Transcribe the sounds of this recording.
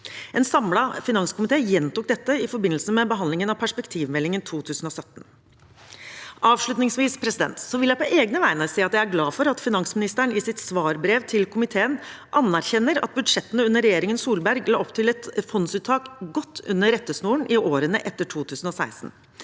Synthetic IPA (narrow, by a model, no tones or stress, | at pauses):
ɛnsɑmlɑfɪnɑŋskʰʊmɪt̪eːjɛnt̪ʊk̚d̪ɛt̪ːəɪfɔɾbɪnl̩səmɛbəɦɑnd̪lɪŋənɑʋpʰæʂpɛkt̪ʰiːʋmɛlːɪŋənt̪ʰuːt̪ʰʉːsn̩ɔsœt̪n̩ | ʔɑːʋʂɭʉt̪nɪŋsʋiːspʰɾɛsɪd̪ɛ̰nt̪sɔʋɪljæɪpʰɔʔeːɡnəʋæɪnɑɾseːɑt̪jæɪæɾɡlɑːfɔɾɑt̪fɪnɑŋsmɪnɪst̪əɳɪsɪt̪sʋɑːɾbɾeːʋt̪ʰɪlkʰʊmɪt̪ʰeːən | ʔɑnːæɾçɛnːəɾɑ̰t̪̚bʉd̪ʂɛt̪ːənəʉnːəɾɛjeːɾɪŋənsuːlbæɾɡlɑ̰ːɔpt̪ʰɪlɛt̪fɔnsʉːt̪ʰːɑːkɡɔt̪ʰːʉ̰nːəɾɛt̪ːəsnuːəɳʔɪʔoːɾənəʔɛt̪ːəʈʰuːt̪ʰʉːsn̩ɔsæɪsn̩